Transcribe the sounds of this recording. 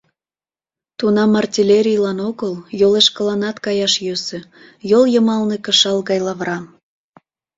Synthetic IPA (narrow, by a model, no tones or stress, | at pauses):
t̪unɑmɑrtʲilʲeɾʲijlɑnoɣəljoleʃkəlɑnɑt̪kɑjɑʃjøsø̆ | joljəmɑlnekə̆ʃɑlɣɑjlɑβrɑm